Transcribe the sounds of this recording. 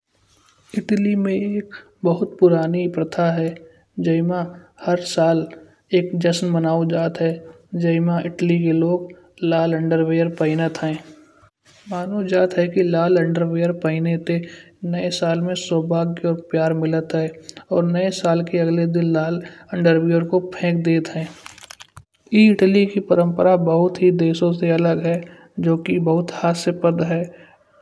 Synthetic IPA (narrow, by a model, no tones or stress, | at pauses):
ɪʈlimẽeːk | bəɦʊt̪pʊɾaːnipɾət̪ʰaɦɛ | d͡ʒəɪmãhəɾsaːl | eːkd͡ʒəsnmənaːod͡ʒaːt̪ɦɛ | d͡ʒəɪmãɪʈlikeloːɡ | laːlə̃ɳɖəɾʋeːəɾpəɪnət̪ɦɛ̃ː | maːnod͡ʒaːt̪ɦɛkilaːlə̃ɳɖəɾweːjəɾpəɪnet̪e | nəesaːlmẽsɔːbʱaːɡɔːɾpjaːɾmɪlət̪ɦɛːɔːɾnəesaːlkeɐɡled̪ɪnlaːlə̃ɳɖəɾwiəɾkopʰɛ̃ːkd̪eːt̪ɦɛ̃ː | iːɪʈlikipəɾə̃mpəɾabəɦʊt̪ɦid̪eːʃõseɐləɡɦɛː | d͡ʒoːkibəɦʊt̪haːsepəd̪ɦɛː